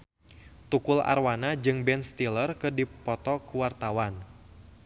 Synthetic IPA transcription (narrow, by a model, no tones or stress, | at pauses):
t̪ukʊla̰rwanad͡ʒɨŋbɛnst̪ilərkɨdipɔt̪ɔkuwart̪awan